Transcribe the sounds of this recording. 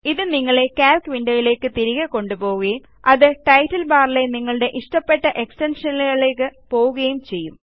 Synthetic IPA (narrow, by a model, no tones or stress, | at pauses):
iðɨniŋːɐɭe̞kaːlkʋinɖɐjile̞ːkːɨt̪iɾiɣɐko̞ɳɖupo̞ːɣuɣɐjum | ɐðɨʈɐjʈːɐlbaːrileniŋːɐɭɨɽe̞ʔiʂʈɐpːe̞ʈːɐʔe̞ksʈɐnʂɐnɐlɣɐɭeːkːɨpo̞ːɣuɣɐjumt͡ɕe̞jːum